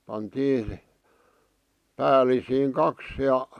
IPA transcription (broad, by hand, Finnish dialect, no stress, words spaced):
pɑntiː pæːlisiːŋ kɑks jɑ